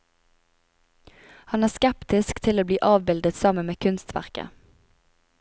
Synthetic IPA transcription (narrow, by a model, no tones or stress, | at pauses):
hɑnæːskɛpt̪ɪskt̪ʰɪloːbliːʔɑːʋbɪld̪ət̪sɑmənmeːkʰʉnst̪ʰʋæ̰ʁkə̰